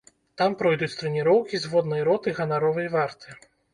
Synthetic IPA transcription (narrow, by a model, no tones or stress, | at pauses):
t̪ampɾɔjd̪ut͡sʲt̪ɾɛnʲiɾɔwkʲizvɔd̪nɐjɾɔt̪ɨɣɐnaɾɔvɐjvart̪ɨ̥